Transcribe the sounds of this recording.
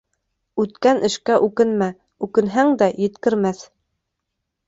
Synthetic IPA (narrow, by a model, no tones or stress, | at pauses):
ʉt̪kænʔɘ̆ʃkæʔʉkɘnmæ | ʉkɘ̆nɦæŋd̪æjɘ̆t̪kɘ̆ɾmæθ